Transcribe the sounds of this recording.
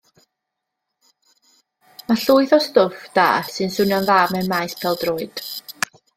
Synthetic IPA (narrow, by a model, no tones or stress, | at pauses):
maɬuːɨθɔstʊfd̥a̰ːsɨnsʊnjanðaːmɛmajspʰɛlˠdroːɨd̥